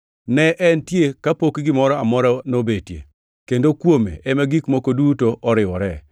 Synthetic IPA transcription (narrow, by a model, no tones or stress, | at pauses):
nɛʔɛntjekapokɡɪmɔɾɔamɔɾɔnobetjḛ | kendokwomḛɛmaɡikmokodutoʔɔɾɪwɔɾɛ